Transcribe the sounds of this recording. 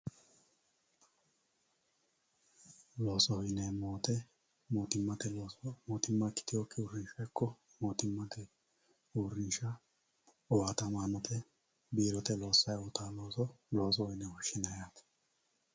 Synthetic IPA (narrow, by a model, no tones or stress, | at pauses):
lo̞ːsɔhɔjnɛmoːt̪ɛ | moːt̪ɪmːɐt̪ɛmoːt̪ɪmːɐkːɪ̥t̪ɪjɔkːɪʊɾɪnʃɐjkːɔ | moːt̪ɪmːɐt̪ɛ | ʊrɪnʃɐ | ɔwaːt̪ɐmaːnɔt̪ʰɛ | biːɾɔt̪ɛlo̞ːsːɐjwɔt̪aːloːsɔlo̞ːs̬ɔwɔjnɛwɔʃɪnɐjaːt̪